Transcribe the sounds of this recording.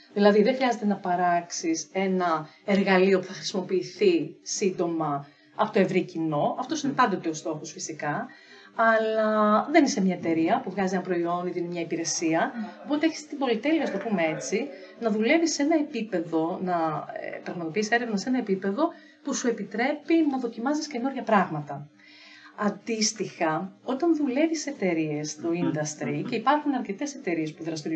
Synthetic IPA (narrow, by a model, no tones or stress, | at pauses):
ðilɐðiðeŋxɾiɐze̞t̪e̞nɐpɐɾɐksise̞nɐeɾɣɐlio̞pu̥θɐxɾisimo̞piːθisind̪o̞mɐ | ɐ̰po̞t̪oe̞vɾicino̞ɐft̪o̞sinepɐnd̪o̞t̪e̞o̞st̪o̞xosfisikɐ | ɐlɐðe̞nisemɲɐet̪e̞ɾiɐpuvɣɐzienɐpɾo̞io̞niðinemɲɐipiɾe̞siɐo̞po̞t̪eeçi̥st̪ibo̞lit̪eliɐst̪o̞pumee̞t͡si | nɐðule̞visːe̞nɐe̞pipe̞ðo̞nɐ̰pɾɐɣmɐt̪o̞pise̞ɾevnɐsenɐepipe̞ðo̞ | pusue̞pit̪ɾe̞pinɐðo̞cimɐzisce̞no̞ɾʝɐpɾɐɣmɐt̪ɐ | ɐnd̪ist̪ixɐo̞t̪ɐnðule̞vise̞t̪e̞ɾie̞st̪o̞ind̪ɐst̪ɾice̞ipɐɾxunɐɾce̞t̪e̞se̞t̪e̞ɾie̞spuðɾɐst̪iɾ